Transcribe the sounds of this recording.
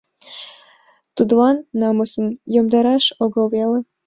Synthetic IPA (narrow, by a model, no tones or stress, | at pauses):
t̪ud̪βɑnːɑmosə̆njomd̪ɑɾɑʃoɣɤ̆lβelə̆